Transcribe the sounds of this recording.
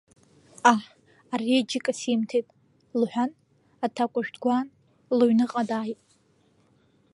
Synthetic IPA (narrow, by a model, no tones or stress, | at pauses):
aħ | ared͡ʒɪkʼasimtʰejtʼ | lħʷᶣan | atʰakʷʼʊʒᶣdɡʷan | lɨɥnɨqʼadaːjtʼ